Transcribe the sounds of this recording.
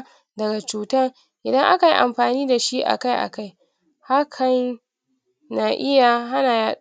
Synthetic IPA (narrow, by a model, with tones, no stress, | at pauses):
dɐ˨ɡa˨t͡ʃuː˨tɐ˦r | ʔɪ˨dɐ˦ŋʔa˦ka˨jḭ˦ʔa̰˨mɸaː˨niː˦da˨ʃi˦ʔa̰˨ka˦jʔa̰˨ka˦j | ha˦kʰɐ˨n | na˨ʔɪ˦ja˨ɦa˦naː˨jaː˦